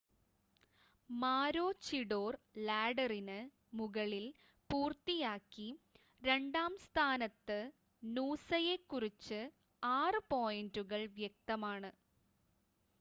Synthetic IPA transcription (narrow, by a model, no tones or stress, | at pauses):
maːɾo̞ːt͡ɕiɽo̞ːrlaːɖɐrinɨ | muɣɐɭil | puːrt̪ːijaːkːi | ɾe̞ɳɖaːmst̪ʰaːnɐt̪ːɨ | nuːsɐjekːurit͡ɕːɨ | aːrɨpoːjinduɣɐɭʋjek̚t̪ɐmaːɳɨ